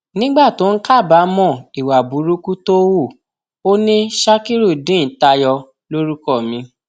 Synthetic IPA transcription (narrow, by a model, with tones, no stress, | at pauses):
nĩ˦ɡ͡ba˦˨to˨˦n̩˦ka˦˨ba˨˦mɔ̃˦˨i˨wa˨bu˨˦ɾu˦ku˦to˦wu˦˨ | o˦nĩ˦ʃa˦ki˦ɾu˦˨dĩ˨˦n̩˨˦ta˧jɔ˧ | lo˦ɾu˦kɔ˦˨mĩ˧˦